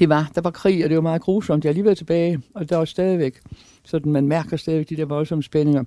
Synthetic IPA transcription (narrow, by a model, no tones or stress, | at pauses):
d̥e̝ʋɑ̈d̥ɑ̈ʋɑ̈kʰʁḭːɒd̥e̝ʋɑmɑ̈ːð̩ˠɡ̥ʁuːsɒ̽m̰d̥jææliːʋeð̰ˠt͡sʰe̝b̥ɛːɪɒ̽d̥eʋɑsd̥ɛːðˠiʋeɡ̥ | sɒ̽d̥n̩mænmæɐɡ̥ɐsd̥ɛðˠʋeɡ̥d̥id̥eɐ̰ʋɒ̽lsɒ̽məsb̥ene̝ŋɐ